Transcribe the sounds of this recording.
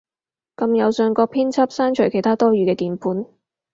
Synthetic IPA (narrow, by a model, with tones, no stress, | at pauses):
kɐ˧mjɐ˨˧wsœː˧ŋkɔː˧k̚pʰiː˥nt͡sʰɐ˥p̚saː˥nt͡ʃʰɵ˨˩kʰe˨˩jt̪aː˥t̪ɔː˥ɥyː˨˧kɛː˧t̪iː˨˧npʰuː˨˥n